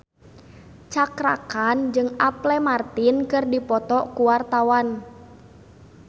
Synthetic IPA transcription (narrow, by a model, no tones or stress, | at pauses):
t͡ʃakɾakand͡ʒɨŋaplɛmart̪inkɨrdipɔt̪ɔkuwart̪awan